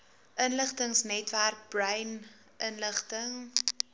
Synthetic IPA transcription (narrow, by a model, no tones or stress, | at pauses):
ʔənləχtəŋsnɛtværk̚brɐjn | ʔənləχtəŋ